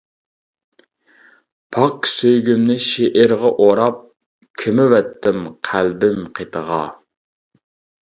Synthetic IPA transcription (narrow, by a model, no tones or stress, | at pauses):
pʰɑqsøjɡʲymnɪʃeʔɪɾʁɑʔoɾɑp̚ | kʲʰømɪwɛt̪ʰːɪmqʰælbɪmqʰet̪ʰəʁɑ̰